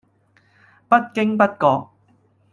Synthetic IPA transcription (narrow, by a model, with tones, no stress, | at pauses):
pɐ˥t̚kɪ˥ŋpɐ˥t̚kɔː˧k̚